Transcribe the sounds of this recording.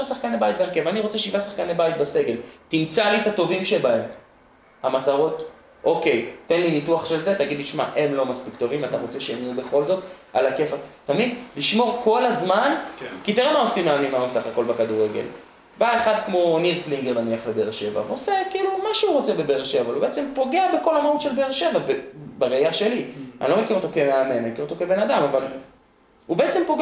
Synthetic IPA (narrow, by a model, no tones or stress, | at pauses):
ʃasaχkanebajit̪̚beeʁkevaniʁo̞t͡seʃivasaχkanebajt̪̚base̞ɡe̞ltimt͡salit̪ato̞vimʃebae̞m | hamataʁo̞t | o̞ke̞jt̪enlinituaχʃelzet̪aɡid̪liʃma̰ʔe̞nlo̞maspikt̪o̞vimat̪aʁo̞t͡se̞ʃejamiube̞χo̞lzo̞t̪a̰lake̞fat̪amid̪liʃmo̞ʁkʰo̞lazmankit̪iʁemaosimeamimaumsaχako̞lbekad̪uʁeɡḛl | baeχad̪kmo̞niʁkliŋɡeʁnaniaχlebeʁʃe̞va̰veo̞se̞kiːlumaʃeuʁot͡se̞be̞beʁʃevavalhubeet͡sempo̞ɡe̞abeko̞lamaut̪ʃe̞lbeʁʃe̞vabebaʁejaʃe̞lia̰nilo̞mekiʁot̪o̞kemeame̞nmekiʁot̪okebe̞nad̪amaval | ube̞et͡sempo̞ɡe